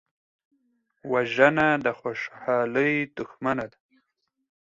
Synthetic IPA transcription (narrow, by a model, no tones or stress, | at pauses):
waʒənad̪əxoʃhɑləjd̪ʊxmanad̪a